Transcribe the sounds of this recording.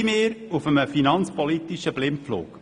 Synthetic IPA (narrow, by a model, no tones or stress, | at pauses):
meːɾufəməfinɑnt͡spɔlit̪iʃəb̥lɪmflṵːk